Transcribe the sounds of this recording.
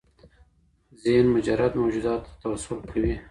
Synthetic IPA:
zenmʊd͡ʒaɾad̪mowd͡ʒud̪ɑːt̪ːt̪awasʊlkʰawi

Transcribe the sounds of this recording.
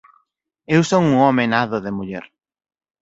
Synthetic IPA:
ewsoŋuɔmenaðoðemuʎɛɾ

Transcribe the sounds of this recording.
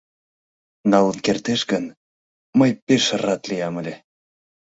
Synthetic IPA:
nɑlənkert̪eʃɡən | məjpeʃərɑt̪liɑməlʲe

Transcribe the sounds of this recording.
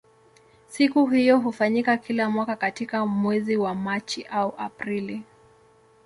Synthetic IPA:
sikuɦijɔɦufaɲikakʰilamwakakatikamwɛziwamat͡ʃiʔauʔa̰pɾili

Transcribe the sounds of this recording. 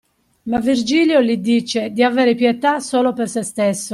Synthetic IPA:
mavːird͡ʒiːljolid̪iːt͡ʃed̪iavɛːɾepjɛt̪asoːlopersest̪esːo

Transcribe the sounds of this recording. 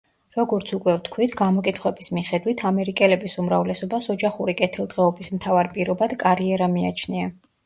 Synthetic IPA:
ɾɔɡɔɾt̪sʰukʼwɛft̪ʰkʰwit̪ʰɡamɔkʼit̪ʰχwɛbismiχɛd̪wit̪ʰamɛɾikʼɛlɛbisumɾavlɛsɔbasɔd͡ʒaχuɾikʼɛt̪ʰilˠd̪ʁɛɔbismt̪ʰavaɾpʼiɾɔbad̪̥kʼaɾiɛɾamiat͡ʃʰnia

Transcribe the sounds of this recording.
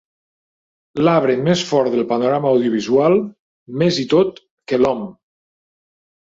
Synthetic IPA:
laβ̞ɾenmesfɔɾðelˠpanoɾamaːwðjoβ̞izualˠ | mezit̪ot̪̚ | kelɔm

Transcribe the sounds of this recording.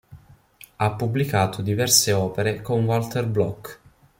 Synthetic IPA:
apːubːlikaːt̪ʰod̪ivɛrseɔːpeɾekonwalt̪erblɔkː

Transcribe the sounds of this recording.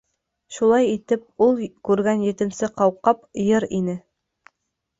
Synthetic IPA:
ʃulˠɑjit̪ɘp̚ulˠkʉɾɡænjɘ̆t̪ɘ̆nsɘqɑwqːɑpjɤɾinɘ

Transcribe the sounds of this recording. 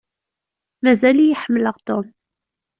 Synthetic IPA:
mæzælijəħəmːələʁt̪ʊm

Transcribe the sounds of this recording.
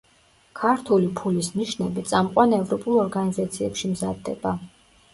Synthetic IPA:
kʰaɾt̪ʰulipʰulisniʃnɛbit̪sʼamqʼwanɛvɾɔpʼulˠɔɾɡanizat̪sʰiɛpʃimzad̪ːɛ̰ba

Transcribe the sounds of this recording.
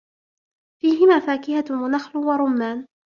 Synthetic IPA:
fiːɦɪmaːfaːkɪhawanaxlʊwaɾˤʊmːaːn

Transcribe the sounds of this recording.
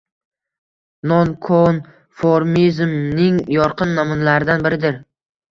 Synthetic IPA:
nɒnkʰon | foɾmizmnɪŋjɒɾqʰɨnːɒmʊnlaɾɪd̪anbɪɾɪd̪ɪɾ

